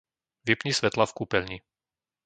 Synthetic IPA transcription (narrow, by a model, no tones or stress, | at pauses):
ʋɛpɲisʋɛt̪lafkuːpɛlɲi